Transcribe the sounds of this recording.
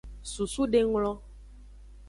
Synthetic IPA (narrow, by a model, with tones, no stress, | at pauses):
su˨su˦ɖe˦ŋlɔ̃˦